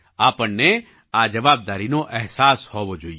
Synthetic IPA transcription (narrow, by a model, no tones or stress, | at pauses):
aːpənne | aːd͡ʒɐʋaːb̚d̪aːɾinoʔɛɦsaːshoʋod͡ʒoi